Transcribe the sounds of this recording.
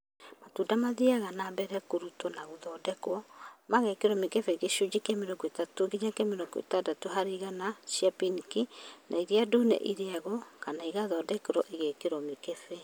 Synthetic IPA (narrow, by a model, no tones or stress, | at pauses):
matuːdamaðiaɣanabɛɾɛkoɾutonaɣoðɔːdɛkwɔmaɣɛkeɾɔmikefɛiɣeʃod͡ʑikameɾɔɡɔetatoɡiɲakeameɾɔɡɔḛtadatoɦaɾeɣanasiapinkinʔa̰iɾiadoːnɛ̰ʔiɾeaɣɔkanaiɣaðɔːdɛkeɾɔʔeɣekeɾɔmikefɛ